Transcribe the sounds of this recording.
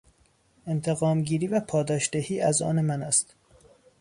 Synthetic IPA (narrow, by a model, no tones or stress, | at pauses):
e̞nt̪ʰe̞ɣɒːmɡiːɾiːvæpʰɒːd̪ɒːʃd̪̥ehiːʔæzɒ̰ːnemænæst̪